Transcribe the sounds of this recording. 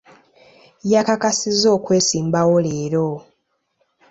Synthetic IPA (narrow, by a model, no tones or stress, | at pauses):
jakakasizo̞ːkwe̞ːsiːmbawoleːɾo̞